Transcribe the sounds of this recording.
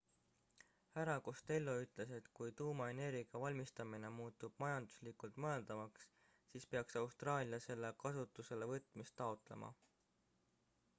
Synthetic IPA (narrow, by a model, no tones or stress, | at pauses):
hæɾɑko̞st̪e̞lːo̞yt̪ˑle̞se̞t̪kujt̪uːmɑe̞ne̞ɾikːˑɑvɑlʲmist̪ɑmine̞muːt̪ːˑub̥mɑjɑnd̪̥u̥slikult̪ˑmɤe̞ld̪̥ɑmɑks | siːspeɑksɑwst̪rɑːlʲijɑse̞lːekɑsut̪ːuse̞le̞vɤt̪ːˑmist̪ːɑo̞t̪ˑle̞̰mʔɑ̰